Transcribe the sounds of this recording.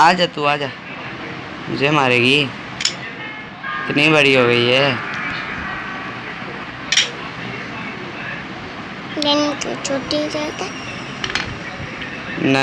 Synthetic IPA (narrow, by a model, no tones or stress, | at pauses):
aːd͡ʒat̪uːaːd͡ʒaː | mʊ̰d͡ʒeːmaːɾeːɡiː | ɪt̪niːbəɽiːɦoːɡəiːɦɛː | lent̪ṵt͡ʃʰoːʈid͡ʒot̪ɛ | nə